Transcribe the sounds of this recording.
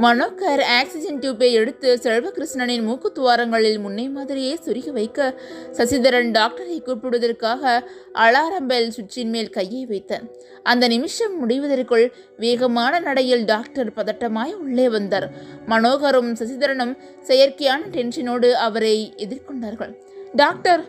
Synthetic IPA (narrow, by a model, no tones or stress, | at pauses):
mɐnoːkɐɾaːksɪd͡ʒɛnt̪uːp̬ːeɪɛɽɯt̪ːɯsɛɻʋɐkɪɾɪʂnɐnɪnmuːkɯt̪ːʊʋaːɾɐŋɡɐɭɪlmʊnːɐɪmaːðɪɾɪjeːsʊɾɪɣɐʋɐɪkːɐsɐsɪðɐɾɐɳɖaːk̚ʈɐɾɐɪkːuːʈpːɪɽɯʋɐðɐrkaːɣɐʔɐɻaːɾɐmbɐlsʊt͡ʃːɪnmeːlkɐjːɐɪʋɐɪt̪ːɐːɾ | ʔɐnd̪ɐnɪmɪʂɐmːʊɽɪʋɐðɐrkɯɭ | ʋeːɣɐmaːnɐnɐɽɐjɪlɖaːk̚ʈɐɾpɐðɐʈːɐmaːjʊɭːeːʋɐnd̪ɐːɾmɐnoːɣɐɾɯmsɐsɪðɐɾɐnɯm | sɛjɐɾkɐjaːnɐʈɛnsɐnoːɽɯɐʋɐɾɐɪɛðɪɾkɔɳɖaːɾɣɐɭ | ɖaːk̚ʈɐɾ